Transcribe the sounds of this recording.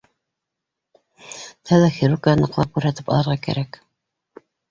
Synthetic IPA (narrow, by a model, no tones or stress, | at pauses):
t̪ʰæðæxiɾuɾkajɑnɑqlˠɑp̚kʉɾɦæt̪ɘpɑ̰lˠɤ̆ɾʁɑkæ̰ɾæk